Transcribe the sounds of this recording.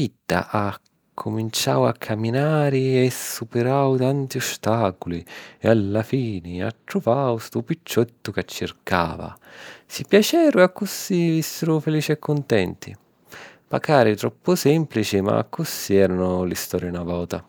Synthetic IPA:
id̪ːa̰ʔa | kʰːʊmint͡ʃa̰wakʰːamːinaːɾɪɛsːupɪɾawt̪ant̪iɔst̪aːkuliɛ̰alːafiːnɪa̰t̪ːɾuvawst̪upit͡ʃːɛt̪ːʊkat͡ʃːɪrka̰ːva̰sipjat͡ʃɛːɾʊakːusːivisːɪɾʊfeliːt͡ʃiɛkːʊnt̪ɛnt̪ḭ | pa̰kaːɾit̪ɾɔpːʊsɛmplit͡ʃima̰kːusːiɛːɾanʊlist̪ɔːɾjanavɔːt̪a

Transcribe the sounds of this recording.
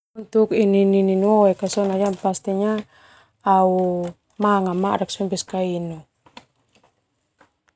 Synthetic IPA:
unt̪ukininininuɔɛkasɔnad͡ʒampast̪iɲa | au | maŋamaʔɾaksɔmbɛskainu

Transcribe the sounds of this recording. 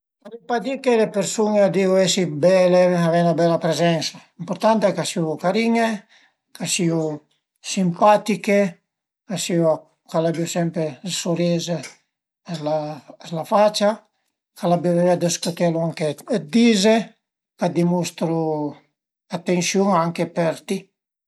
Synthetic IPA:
aɾipad̪ikelepeɾsunead̪iuesibɛleavɛnabɛlapɾezɛnsaimpoɾt̪ant̪eɛkasikaɾiɲe | kasiu | simpat̪ike | kasiu | kalabiusɛmpɾesoɾeze | lazlafat͡ʃa | kalabivevead̪eskot̪ɛluaŋked̪ize | kad̪imust̪ɾu | at̪ːensjuŋaŋkepeɾt̪i

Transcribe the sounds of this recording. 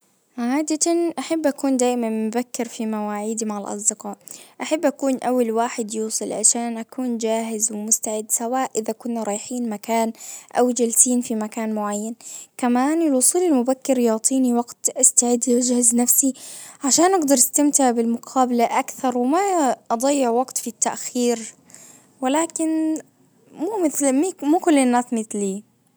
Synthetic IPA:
ʕaːd̪at̪anʔaħabːʔakuːnd̪aːʔɪmanmʊbakːɪɾfimawaːʕiːd̪imaʕalʔɑ̰sˤd̪ɪqɑːʔʔaħabːʔakuːnʔawːalwaːħɪd̪juːsˤɨlʕa̰ʃaːnʔakuːnd͡ʒaːɦɪzwɪmʊst̪aʕɪd̪sawaːʔʔɪðakʊnːaɾˤɑːjħiːnmakaːnʔawd͡ʒalsiːnfimakaːnmʊʕajːankamaːnɪlwʊsˤuːlɪlmʊbakːɪɾjɑːt̪ˤʰiːniwaɡt̪ʔast̪aʕɪd̪ːad͡ʒhaznafsiʕaʃaːnʔɑɡd̪ɑɾˤɪst̪amt̪ɪʕbɪlmʊqʰɑːbalaʔakθɑɾˤwɪmaʔɑd̪ˤɑjːɪʕwɑɡt̪fit̪ːaʔxiːɾ | wɪlaːkɪn | muːmɪθlmimuːkʊlːɪnːaːsmɪθliː

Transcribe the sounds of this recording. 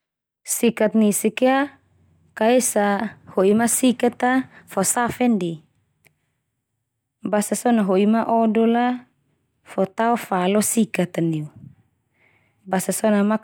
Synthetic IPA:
sikat̪̚nisikea | kaesahoimasikat̪afɔsafɛndi | basasɔnaɦoimaʔɔdɔla | fɔt̪aɔfalɔsikat̪aniu | basasɔnama

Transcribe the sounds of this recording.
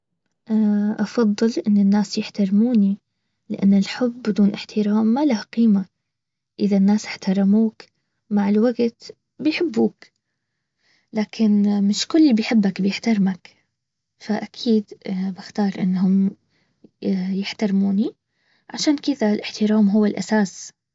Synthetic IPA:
ʔaʔɑfɑðˤːɨlʔɪnːɪnːaːsjɪħt̪ɑɾmuːni | lɪʔa̰nːɪlħʊbːɪd̪uːnʔɪħt̪ɪɾaːmːalahqiːma | ʔɪðanːaːsɪħt̪ɑɾˤɑmuːk | maʕɪlwaɡt̪ | bɪjħɪbːuːk | laːkʰɪnmɪʃkʊlːbɪjħɪbːakbɪjɪħt̪ɑɾˤmak | faʔakʰiːd̪baxt̪ɑːɾˤʔɪ̰nːɦʊm | jɪħt̪ɑɾmuːni | ʕaʃaːnkɪðalʔɪħt̪ɪɾˤaːmɦʊwːɪlʔa̰saːs

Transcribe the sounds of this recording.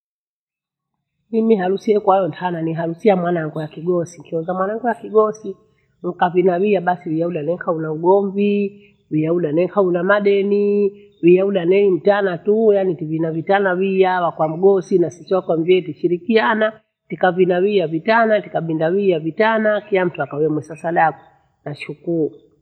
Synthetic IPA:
mimiɦalusiɛkwajɔntʰananiɦalusiamwanaŋɡɔjakiɡɔsiŋkiɔnzamwanaŋɡɔjakiɡɔsi | ŋ̩kavinawijaɓasiwijauɗanɛŋkaunauɡɔmvi | wijauɗanɛkaunamaɗɛni | wijauɗanɛnim̩tanatujanitivinavitanawiawakwam̩ɡɔsinasisiwakwamviɛtiʃiɾikiana | tikavinawijavitanatikaɓindawijavitanakilam̩tuakawɛmwɛsasaɗaku | naʃukuɾu

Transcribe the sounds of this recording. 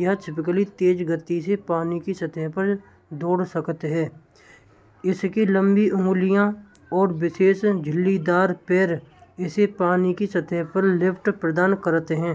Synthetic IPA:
jəɦʈʰɪpɪk̬əlit̪eːd͡ʒɡət̪ːisepaːnikisət̪ʰɛɦpəɾ | d̪oːɽsəkt̪ɦɛ̃ː | ɪskilə̃mbiʔʊ̃ŋlɪjã | ɔːɾwɪʃeːsd͡ʒʱɪlːid̪aːɾpeːɾɪsepaːnikisət̪ʰɛɦpəɾlɪpʰʈpɾəd̪aːnkəɾt̪ɦɛ̃ː

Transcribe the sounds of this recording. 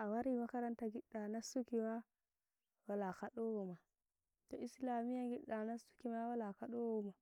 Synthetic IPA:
ʔawaɾimakaɾantaɡiɗːanasukima | walakaɗowoma | toislamijaɡiɗːanasu̥kimawalakaɗowoma

